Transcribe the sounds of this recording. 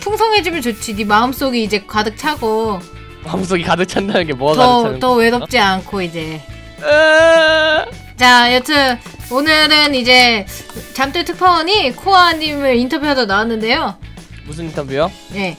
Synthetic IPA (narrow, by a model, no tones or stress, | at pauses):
pʰuŋsʰʌŋɦe̞d͡ʑimjɯnt͡ɕot͡ɕʰidimaɯms͈oɡiːd͡ʑe̞kadɯk̚t͡ɕʰaɡo | maɯms̬͈oɡikadɯk̚t͡ɕʰandanɯnɡemotʌtʌwe̞ɾʌt͡ɕ͈iankʰoid͡ʑe̞ | t͡ɕajʌtʰɯn | onɯɾɯnid͡ʑe̞ | t͡ɕamt͈etʰɯk̚pʰaɲikʰoaɲimɯɾintʰʌbjuɦadʌnawanːɯnde̞jo | mus̬ʰɯnintʰʌbjujo | je̞